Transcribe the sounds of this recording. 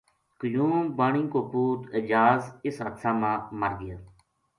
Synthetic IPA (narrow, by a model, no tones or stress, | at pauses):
kəjuːmbaːɳĩːkoːpuːt̪əd͡ʒaːzɪsɦət̪sãːmãːməɾɡɪjaː